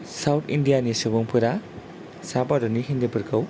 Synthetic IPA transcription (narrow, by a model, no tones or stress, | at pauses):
sawtʰindijanisɯbuŋpʰuɾa | sabadɔniɦind̪epɯɾkʰaw